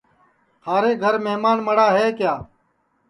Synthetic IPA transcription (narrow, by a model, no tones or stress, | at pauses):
hʰaːɾeːɡʱəɾmeɦmaːnməɽaːɦeːkjaː